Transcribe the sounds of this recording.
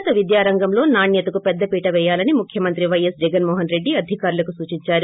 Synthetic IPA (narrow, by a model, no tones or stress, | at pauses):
t̪ɐʋid̪jaːɾɐŋɡɐmlo̞ːnaːɳjɐt̪ɐkupɛd̪ːɐpiːʈɐʋɛːjaːlɐnimukʰjɐmɐnt̪ɾiʋɐjɐsd͡ʒɛɡɐnmɔːɦɐnɾe̞ɖːiɐd̪ʱikaːɾulɐkusuːt͡ʃiɲt͡ʃaːɾu